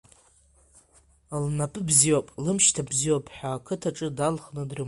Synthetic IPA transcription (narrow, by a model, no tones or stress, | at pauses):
lnapʼɨbziwapʼlɨmʃtʰabziwapʰʼħʷᶣaːkʰɨtʰaʈ͡ʂʼɨdalχnɨdrɨ